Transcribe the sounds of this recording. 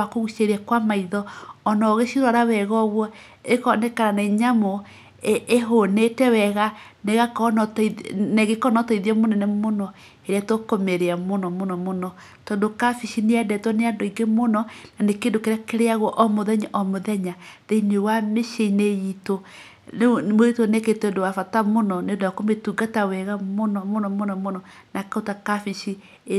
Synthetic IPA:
akoɣuʃeɾiɛkwamaiðɔːnɔɣeʃiɾɔɾawɛɣɔβwɔ | ekɔnekaɾanaiɲamo | eɦonetɛwɛɣaneɣakɔnɔtneɣekɔnɔtɔiðiɛmonɛnemonɔ | eɾɛtwokomeɾeamonɔmonɔmonɔ | tɔːndokafiʃineɛdɛtwɔneandoiŋɡemonɔnanekendokeɾakeɾeaɣwɔʔɔmoðɛɲaʔɔmoðɛɲaðeinewameʃeineito | moitoneketendowafatamonɔnedakometuɡatawɛɣamonɔmonɔmonɔmonɔ | nakaotakafiʃi

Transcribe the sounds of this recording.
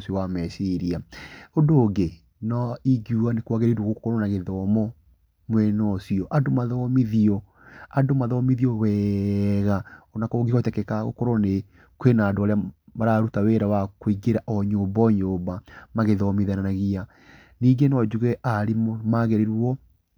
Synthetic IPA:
siɔwamɛsiɾiaondoːɡe | nɔiɡjuanekwaɣeɾeɾwoɣokɔɾɔnaɣeðɔmɔ | mwɛnɔsiɔʔadomaðɔmiðiɔ | adomaðɔmiðiɔwɛɣaɔnakɔɡeɔtɛkɛkaɣo̰kɔɾɔne | kwenaːdoaɾeamaɾaːɾutaweɾawakoiɡeɾaʔɔɲoːbɔɲoːbamaɣeðɔmiðananaɣia | niːɡenɔd͡ʒuɣɛʔaɾemmaɣeɾeɾwɔ

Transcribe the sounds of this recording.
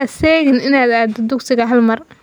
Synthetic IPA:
sɛːɣɪnɪnaːd̪aːd̪ɛd̪ʊksɪɣɐɦɐlmɐr

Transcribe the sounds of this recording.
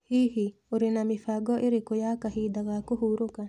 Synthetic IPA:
hiɦioɾenamɪfaɡɔʔeɾekojakaɦid̪aɣakoɦuɾoka

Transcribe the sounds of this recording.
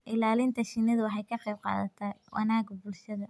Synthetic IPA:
ʔɪlaːlɪnt̪ʰɐʃɪnːɐðʊwħɛjkʰɐqejb̚qɑ̰ːðɐ̰t̪ʰɐwʔɑ̰naːɡbʊlʃɐðɐ

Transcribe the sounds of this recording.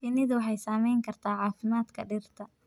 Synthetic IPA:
ɪnɪðʊwɑħɑjsaːmɛjŋkʰɐrt̪ʰaːʕɑːfɪmaːd̪kʰɐɖɪrt̪ʰɐ

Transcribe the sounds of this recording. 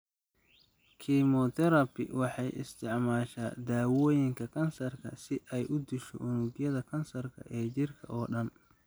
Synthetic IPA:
kʰimɔt̪ʰɛɾɐbɪ̰wɑħɑjʔɪ̰st̪ʰɪʕmaːʃaːd̪aːwɔːjɪŋkʰɐkʰɐnsɐrkʰɐsɪʔɛjʔʊd̪ɪʃɔ̰ʔʊnʊɡjɐðɐkʰɐnsɐrkʰɐ̰ʔɛːt͡ʃɪrkʰɐ̰ʔɔːɖɐn

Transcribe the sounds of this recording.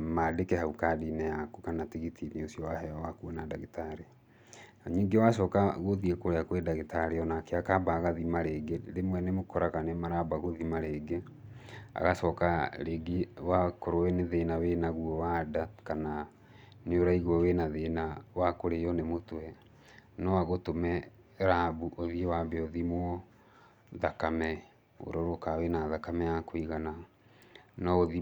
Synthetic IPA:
maːdekɛhaukadinɛjakukanatiɣitʰiniosiɔwahɛɔwakuɔnadaɣitaɾe | ɲiːŋɡewasɔːkaɣoðiekoɾeakoɾedaɣitaɾeɔnakeakabaɣaðimaɾeɡeɾemwɛnemokɔɾakanemaɾabaɣoðimaɾeːɡe | a̰ɣasɔːkaɾeɡiwakoɾowɛneðenawenaɣuɔwadakana | neoɾaiɣwɔwenaðenawakoɾejɔnemotwɛ | nɔaɣotomɛ | ɾabuʔoðiewabeoðimwɔ | ðakamɛ | o̰ɾɔɾokawenaðakamɛjakoiɣana | nɔoði

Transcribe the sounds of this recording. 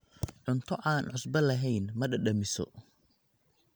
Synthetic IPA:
ʕʊnt̪ʰɔʔaːnʕʊsbɐlɐɦɛjnmɐɗɐɗɐmɪsɔ̰

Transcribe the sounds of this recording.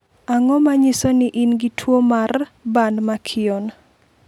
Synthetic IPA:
aŋɔmaɲɪsonɪʔinɡitʰwomarbandmakʰɪɔn

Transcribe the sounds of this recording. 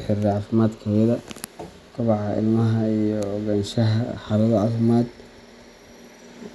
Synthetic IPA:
ħɪrʕɑːfɪmaːd̪kʰɐmɪðɐ | t̪ʰɑβɑʕɑɪ̰lmɐɦɐijɔːɡaːnʃɐɦɐ̰ħɑːlɐðɐʕɑθɪmaːd̪

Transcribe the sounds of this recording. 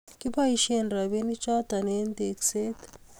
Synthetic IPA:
kipaiʃenɾɐbinit͡ʃat̪ɐnend̪ekset̪

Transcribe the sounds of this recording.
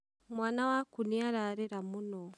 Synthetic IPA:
mwaːnawakuniaɾaɾɛɾamunɔ

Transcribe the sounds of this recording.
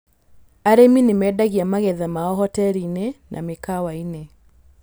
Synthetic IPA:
aɾeminemɛːdaɣiamaɣɛðamaɔɦɔtɛɾinenʔa̰mekawainɛ

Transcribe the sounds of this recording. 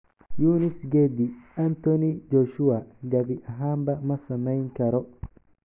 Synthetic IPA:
junisɡed̪iant̪ɔnid͡ʒɔʃuaɡɐbiʔaɦaːmbɐmɐsɐmɐjŋkɐɾɔ

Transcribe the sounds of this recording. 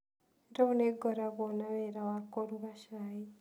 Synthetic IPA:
ɾauneɡoɾaβonaβeɾawakoɾuβaʃaji

